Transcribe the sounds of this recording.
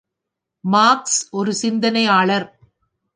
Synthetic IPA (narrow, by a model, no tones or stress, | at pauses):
maːksɔɾɯsɪnd̪ɐnɐɪaːɭɐɾ